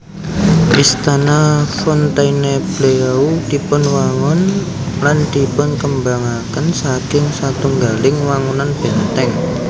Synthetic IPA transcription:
ʔist̪anafɔnt̪aineb̥leud̪̥i̤pʊnwaŋʊn | land̪̥i̤pʊnkəmbaŋakənsakɪŋsat̪uŋɡalɪŋwaŋunanb̥ɛnt̪ɛŋ

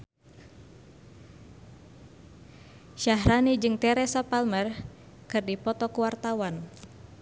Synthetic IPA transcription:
ʃaɦɾanid͡ʒɨŋt̪ɛɾɛsapalmər | kɨrdipɔt̪ɔkuwart̪awan

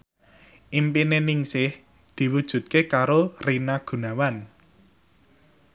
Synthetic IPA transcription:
ʔimpinenɪŋsɪh | d̪̥i̤wud̥ʒ̥ṳt̪̚kekaɾorinaɡ̥ṳnawan

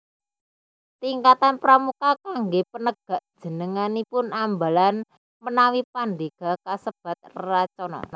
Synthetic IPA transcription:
t̪iŋkat̪anpɾamukakaŋɡepənəɡ̥ä̤ʔd̥ʒ̥ə̤nəŋanipʊnambalan | mənawipand̪eɡ̥akasəb̥a̤t̪̚rat͡ʃɔna̰n

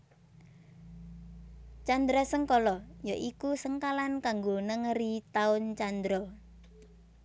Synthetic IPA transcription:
t͡ʃand̪ɾɔsəŋkɔlɔjaʔikusəŋkalankaŋɡonəŋəɾit̪aʊnt͡ʃand̪ɾɔ

